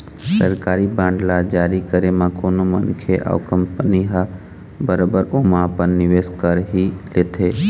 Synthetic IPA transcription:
səɾkaːɾibãːɳɖlad͡ʒaːɾikəɾemãkoːnomənkʰeʔa̰ʋkəmpəniɦa | bəɾobəɾomãpənnɪʋeːskəɾɦileːt̪ʰeː

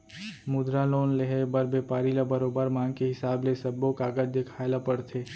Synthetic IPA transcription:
mʊd̪ɾaloːnleɦebəɾbeːpaːɾilabɐɾoːbəɾmãːŋɡkeɦɪsaːblesɐbːõkaːɡəd͡ʒd̪ekʰaːlapəɽt̪ʰeː

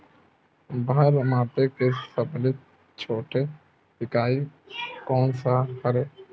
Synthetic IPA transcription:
bɦəɾmaːpekesəblɪ | t͡ʃʰoːʈe | pɪkaːi | kɔːnsaɦəɾe

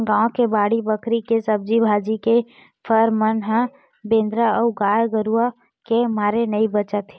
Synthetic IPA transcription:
ɡãːõkebaːɽibəkɾikesəb̚d͡ʒibʱaːd͡ʒike | pʰəɾmənɦə̃ | bẽːnd̪ɾəɔɡaːjɡəɾua | kemaːɾenəibət͡ʃət̪e

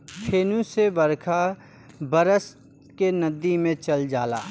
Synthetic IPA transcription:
pʰeːnũsebɐɾkʰa | bɐɾəs | kenɐd̪ːimẽt͡ʃɐld͡ʒaːla̰ː

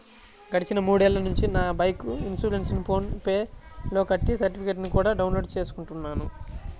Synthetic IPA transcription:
ɡɐɽit͡ʃinɐmuːɽuɛlːɐnuɲt͡ʃinaːbɐjkuinsuːɾensinpʰo̞ːnpe̞ːlo̞ːkɐʈːisɐɾʈipʰikeʈ̬nikuːɽaːɖɐwnlo̞ːɖt͡ʃe̞ːsu̥kuɳʈunːaːnu

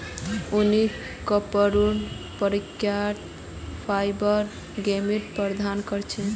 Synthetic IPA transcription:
uni | kəpəɾun | pəɾikjaʈ̪ | pʰajbəɾ | ɡemiɾpəɾd̪ʱankəɾt͡ʃʰɛ

